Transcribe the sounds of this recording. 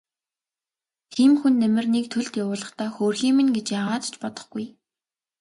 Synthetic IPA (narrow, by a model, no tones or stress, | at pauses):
t̪ʰiːmxunːæmɘ̆rnikt̪ʰɵɮt̪jawʊːɮə̆χt̪aːxoːrxiːmɘ̆nɡet͡ɕjaːʁaːt̪t͡ɕpɔt̪ɞ̥̆χɡ̥uj